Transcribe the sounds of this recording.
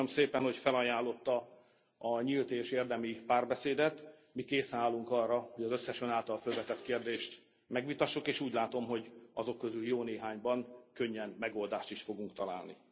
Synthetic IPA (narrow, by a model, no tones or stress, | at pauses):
omseːpɛnho̞cfɛlɒjaːlːo̞t̪ːɒ | ɒɲilt̪eːʃeːrd̪ɛmipaːrbɛseːd̪ɛt̪ | mikeːsɛnaːlːuŋkɒrːɒho̞ɟɒzøsːɛʃønaːlt̪ɒlfølvɛt̪ɛt̪keːrd̪eːʃt̪ | mɛɡʋit̪ɒʃːukeːʃuːɟlaːt̪o̞mɦo̞ɟɒzo̞kːøzyljoːneːɦaːɲbɒŋkø̞ɲːɛnmɛɡold̪aːʃt̪iʃfo̞ɡuŋkt̪ɒla̰ːlnḭ